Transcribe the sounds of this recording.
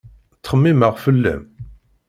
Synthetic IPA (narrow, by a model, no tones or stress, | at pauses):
t͡sːχəmːiməʁfəlːæ̰m